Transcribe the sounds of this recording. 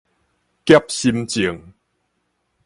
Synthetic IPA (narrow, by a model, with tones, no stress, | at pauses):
kja˦p̚ɕi˧mt͡ɕi˨˩əŋ